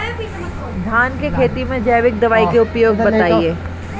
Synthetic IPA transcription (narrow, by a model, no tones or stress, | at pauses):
d̪ʱaːnkekʰeːt̪imẽd͡ʒɐːjʋɪk̚d̪ɐʋaːikeʊpjoːɡbɐt̪aːieː